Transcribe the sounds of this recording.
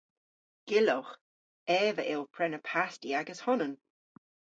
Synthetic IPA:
ɡ̥ɪlɔx | ɛːvəʔɪlˠpʰɹɛnəpʰastiaɡəshʊnən

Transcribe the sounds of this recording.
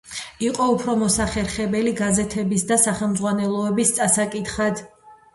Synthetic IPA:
iqʼɔupʰɾɔmɔsaχɛɾχɛbɛliɡazɛt̪ʰɛbis̬d̪asaχɛlˠmd̪zʁwanɛlˠɔɛbist̪sʼasakʼit̪χad̪

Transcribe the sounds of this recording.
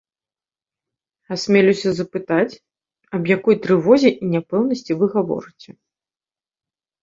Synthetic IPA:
asʲmʲɛlʲusʲɐzɐpɨt̪at͡sʲ | ɐbjakɔjt̪ɾɨvɔzʲɛʔinʲapɛwnɐsʲt͡sʲivɨɣavɔ̰ɾɨt͡sʲɛ

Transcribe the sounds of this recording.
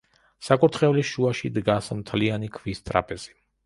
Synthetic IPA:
sakʼuɾt̪ʰχɛvliʃuaʃid̪ɡasmt̪ʰlianikʰvist̪ʼɾa̰pʼɛz̥i̥

